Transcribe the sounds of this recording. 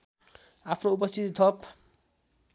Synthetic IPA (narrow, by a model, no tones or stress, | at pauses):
apʰnoupʌst̪ʰit̪it̪ʰʌp